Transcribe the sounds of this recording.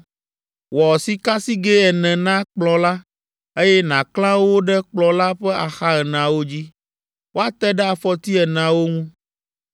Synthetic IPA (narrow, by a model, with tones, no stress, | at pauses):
wɔ˨si˦ka˦si˦ɡe˦ɛ˨nɛ̃˨nã˦k͡plɔ̃˨la˦ | e˦jɛ˦nã˨klã˦wo˦ɖɛ˦k͡plɔ˦la˦ɸɛ˦a˨xa˦ɛ˨nã˨wo˦d͡ʑi˦ | wo˦a˦t̪ɛ˦ɖɛ˦a˨fɔ˦t̪i˦ɛ˨nã˨wo˦ŋũ˦